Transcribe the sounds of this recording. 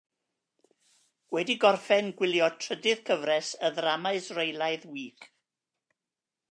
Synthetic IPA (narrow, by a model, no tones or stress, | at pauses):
wɛdiɡɔrfɛnɡwɪlˠjɔtʰr̥ədɨð̥kʰəvɾɛsəðramaɨsrejlˠaɨðwiːkʰ